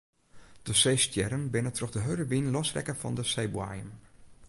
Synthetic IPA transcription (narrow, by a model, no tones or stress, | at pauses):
d̥əsejstjɛɾənbɪnətroxdəɦøɥdəʋinlɔsrɛ̰kəfɔ̰ndəsejbwa̰jəm